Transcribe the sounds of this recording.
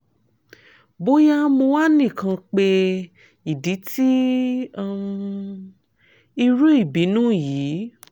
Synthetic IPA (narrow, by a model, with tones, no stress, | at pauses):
bo˦ja˦mo˧wa˦nĩ˦˨kã˧k͡pe˧ | i˨di˨˦tʰi˦˨ | i˧ɾu˦i˦˨bi˨˦nũː˦˨jiː˨˦